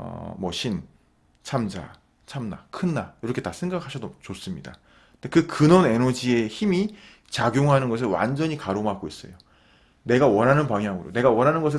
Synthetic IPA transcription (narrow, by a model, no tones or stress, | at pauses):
ʌ̰mwʌ̰ɕʰin | t͡ɕʰamd͡ʑa̰ | t͡ɕʰamna̰kʰɯnːajiɾʌkʰe̞tasʰe̞ŋɡak̚ʰhaɕʰʌdot͡ɕos͈ɯmɲida̰ | tekɯkɯnʌne̞nʌd͡ʑie̞çimi | t͡ɕaɡjoŋɦanɯnɡʌs̬ʰɯɭwa̰nd͡ʑʌɲikaɾoŋɦaɡois͈ʌ̰jo | ne̞ɡawʌnɦanɯnpaŋɦjaŋɯɾo̰ne̞ɡawʌnɦanɯnɡʌs̬ʰɯ